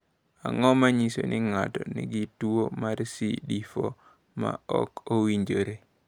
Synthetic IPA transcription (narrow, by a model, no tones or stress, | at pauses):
a̰ŋɔmaɲiso̰nʔɪŋatɔnɪ̰ɡɪtwomaɾsḭɗifo | ma̰ɔ̰kowiɲd͡ʒoɾe